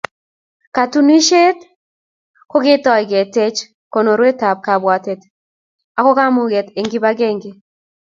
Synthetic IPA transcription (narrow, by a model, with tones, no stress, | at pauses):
ka˨tu˦ni˦ʃe˦t | ko˦ɡɪ˦tɔ˨jɡe˨te˦t͡ʃ | ko˨no˨ɾwe˦ta˨b̚ka˨bwa˨te˨t | a˨kɔ˦ka˦mʊ˨ɡe˨te˨ŋɡɪ˦ba˦ɡe˦ŋɡe˨